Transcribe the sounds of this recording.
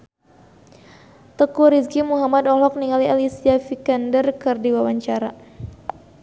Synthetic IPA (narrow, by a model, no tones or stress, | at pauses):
t̪əkuɾiskimuɦamad̪ɔlɔk̚niŋalialisiafikandərkɨrdiwawaɲt͡ʃaɾa